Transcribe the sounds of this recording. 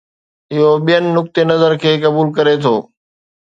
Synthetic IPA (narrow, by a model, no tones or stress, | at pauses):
ɪɦoɓijənɪ̆nʊk̚t̪enɐzəɾkʰeːkɐbuːlkɐɾet̪ʰoː